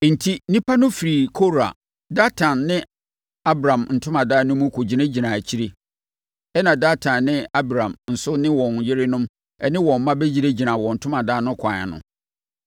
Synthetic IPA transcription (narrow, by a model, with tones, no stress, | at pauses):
n̩˨tʰi˦nĩ˦pʰa˦nʊ̃˦fi˨ɾi˨kʰo˦ɾa̰˨ | da˦tʰã˨nːɪ̃˦ | a˦bɾã˨mn̩˨tʰʊ̃˦mã˨daː˦nʊ̃˦mũ˦kʰo˨d͡ʑi˨næ˦d͡ʑi˨nã˨t͡ɕʰi˦ɾe˦ | ɛ˦nã˨da˦tʰã˨nːɪ̃˦a˦bɾã˨mn̩˨sʊ˦nɪ̃˦wɔ̃˨njɪ˦ɾɪ˦nʊ̃˦m | ɛ˦nɪ̃˦wɔ̃˨m˦mã˦bɛ˦d͡ʑi˨ɾe˦d͡ʑi˨nã˨wɔ̃˨n̩˨tʰʊ˦mã˨daː˦nʊ̃˦kʰʷa˨a̰˨nʊ̰̃˨